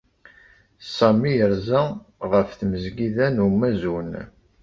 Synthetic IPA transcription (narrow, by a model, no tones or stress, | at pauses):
sɑmijəɾzæʁəfθməzɡiðænumːæzun